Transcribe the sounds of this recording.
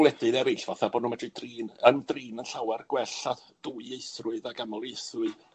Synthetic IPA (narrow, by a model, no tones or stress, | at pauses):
lˠɛdɨðɛɾɨɬv̥aθabɔːdnuːmɛd̥rɨdriːnəndriːnənɬawɛrɡ̥wɛɬad̥uːɨejθrʊɨðaɡamɔlˠejθʊɨ